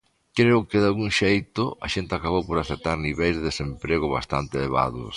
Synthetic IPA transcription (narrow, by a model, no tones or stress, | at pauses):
kɾeʊkɪðalɣuŋʃejt̪ʊʔɐʃent̪ɪakaβowpoɾaθet̪ːaɾniβejzðeðesempɾeɣʊβa̰st̪a̰nt̪eleβa̰ðʊ̰s